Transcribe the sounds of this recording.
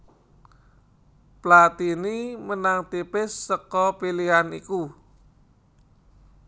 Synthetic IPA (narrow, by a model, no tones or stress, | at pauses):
plat̪inimənaŋt̪ipɪsːəkɔpiliɦaniku